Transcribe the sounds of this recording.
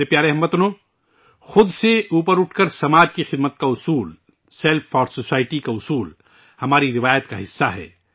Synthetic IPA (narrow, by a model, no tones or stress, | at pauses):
ɾepjaːɾeɦɐmːət̪ʊnoː | xʊd̪seuːpəɾʊʈʰkəɾsɐmaːd͡ʒkixɪd̪mət̪̚kaʊsuːl | sɛlfʰɔːɾsosaːɪʈikaʊsuːl | hɐmaːɾiɾɪʋaːjət̪kaɦɪsːaɦɛ̰ː